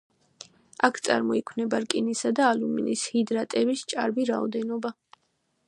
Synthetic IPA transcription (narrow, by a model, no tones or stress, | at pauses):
akʰt̪sʼa̰ɾmɔikʰwnɛbaɾkʼinisad̪aːlumḭnishid̪ɾat̪ʼɛbist͡ʃʼa̰ɾbiɾaɔ̰d̪ɛnɔba